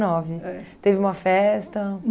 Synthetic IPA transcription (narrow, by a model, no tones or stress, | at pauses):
nɔvɪɛt̪evɪũmɐfɛst̪ɐ